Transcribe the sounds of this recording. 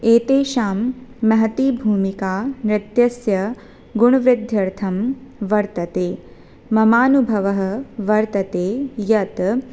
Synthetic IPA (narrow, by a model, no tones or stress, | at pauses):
eːt̪eːʃaːmːɐɦɐt̪iːbʱuːmikaːnɾɪt̪jɐsjɐ | ɡuɳ̃ɐʋɾɪd̪ʱjɐɾt̪ʰɐmʋɐɾt̪ɐt̪eː | mɐmaːnubʱɐʋɐɦɐ̆ʋɐɾt̪ɐt̪eːjɐt̪